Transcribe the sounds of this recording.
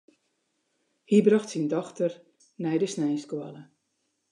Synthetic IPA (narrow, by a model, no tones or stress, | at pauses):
hibrɑxtsindɔxtər | nɛjdəsnɛjskwalə